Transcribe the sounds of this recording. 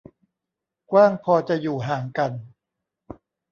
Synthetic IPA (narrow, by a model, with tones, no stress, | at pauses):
kwaː˥˩ŋpʰɔː˧t͡ɕa˨˩juː˨˩ɦaː˩˦ŋka˧n